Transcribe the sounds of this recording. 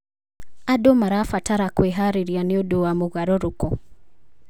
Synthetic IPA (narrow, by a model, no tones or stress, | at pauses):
adɔmaɾafataɾakweɦaɾiɾianiɔduwamuɣaɾɔɾukɔ